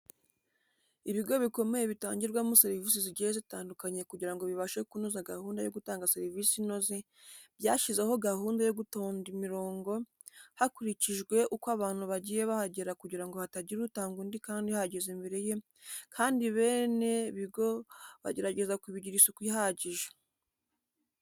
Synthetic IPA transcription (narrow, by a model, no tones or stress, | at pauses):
iβiɡo̞βiko̞me̞jeβita̰ːɲɟiɾɡwamuseɾiviːsiziɟijezitaːndukaɲe̞kuɟiɾaŋɡo̞βiβaʃekunuzaɡahuːndajo̞ɡutaːŋɡaseɾivisinozi | bjaːʃizeho̞ɡaɦuːndajo̞ɡuto̞ːndimiɾo̞ːŋɡo̞ | hakuɾiciʒɡwe̞ʔukwaβaːn̥huβaɟiːje̞βahaɟeɾakuɟiɾaŋɡo̞hataɟiɾutaːŋɡundikaːndihaɟezimbeɾeje̞ | kʰaːndiβe̞ːne̞βiɡo̞βa̰ɟe̞ɾaɟe̞zakiβiɟiɾisokwihaɟiʒḁ